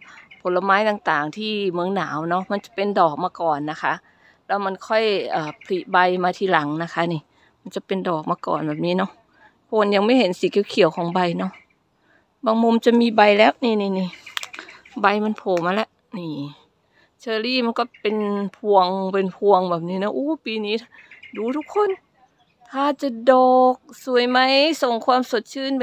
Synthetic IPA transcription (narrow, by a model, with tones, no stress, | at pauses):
pʰo˨˦la˧maː˧˥jt̪aː˨˩ŋt̪aː˨˩ŋt̪ʰiː˧˥˩mɯ˧əŋnaː˨˦wnɔ˦˥ʔma˧˥˨nt͡ɕa˨˩pe˧ndɔː˨˩k̚maː˧kɔː˨˩nːa˧kʰa˦˥ʔ | lɛː˦˧˥wma˧˨nkʰɔ˧˥˩jʔaː˨˩pʰli˧˩ba˧jmaː˧t̪ʰiː˧˨la˨˩˦ŋna˧kʰa˧˥niː˧˨ | ma˧˥˨nt͡ɕa˧˩˦pe˧ndɔː˨˩k̚maː˧kɔ̰ː˨˩nbɛː˨˩p̚niː˧˥nɔ˧˥ʔ | pʰo˧˩˨nja˧˩ŋma˧˥˨jhe˨˦nsiː˨˦ki˧˩˦kʰi˨˦ə˦wkʰɔː˨˦ŋba˧jnɔ˧˥ʔ | baː˧ŋmo˧˨mt͡ɕa˧˦miː˧˥˨ba˧jlɛː˧˥˨wniː˧˨niː˧˨niː˧˩ | ba˧˩jma˧˥˨npʰo˨˦maː˧˨lɛ˧˦ʔ | niː˧˩ | t͡ɕʰɤː˧liː˧˩˨ma˧˥˨nkɔ˧˩pe˨npʰu˧əŋpe˧˨npʰu˧əŋbɛː˨˩p̚niː˧˥˨nɔ˧ʔoː˧˦piː˧niː˦˧˥t̪ʰa˧duː˧˦t̪ʰu˧˥kʰːo˧˥˨n | t̪ʰaː˧˩˨t͡ɕa˧dɔː˨k̚su˨˩ə˦jma˧˥˨jso˨˩ŋkʰwu˧˨msu˨˩˦t̪̚t͡ɕʰɯː˧˥˨n